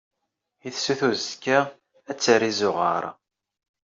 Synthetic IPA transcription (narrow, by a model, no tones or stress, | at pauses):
iθsuθuzkːa | æt͡sːərizʊʁə̰ɾˤ